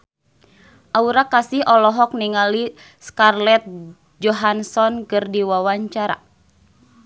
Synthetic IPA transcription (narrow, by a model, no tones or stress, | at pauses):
ʔauɾakasiɦɔlɔɦɔk̚niŋali | skarlɛt̪̚ | d͡ʒɔɦansɔnkɨrdiwawaɲt͡ʃaɾa̰